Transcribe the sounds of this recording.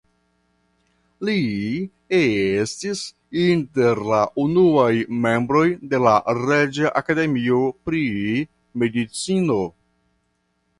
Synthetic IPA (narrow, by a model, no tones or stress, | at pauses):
li | eestis | inte̞ɾlaʔunuajme̞mbɾo̞jde̞laɾed͡ʒaʔakade̞mio̞pɾi | me̞dit͡sino̞